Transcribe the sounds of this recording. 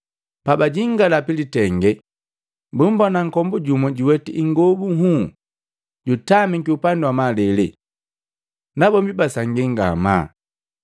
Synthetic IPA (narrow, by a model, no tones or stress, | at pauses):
pabaɟiŋɡalapilitɛŋɡɛ | bumbɔnaŋ̩kɔmbuɟumɔɟiwɛtiʔiŋɡɔbuɦu | ɟutamiŋkiupanduwamalɛlɛ̰ | nabɔmbibasaŋɡiŋɡa̰ma̰